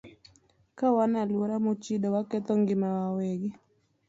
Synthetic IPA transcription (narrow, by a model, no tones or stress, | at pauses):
kawanalwoɾamot͡ʃidɔwakɛt̪ɔŋɡɪmawawɛɡi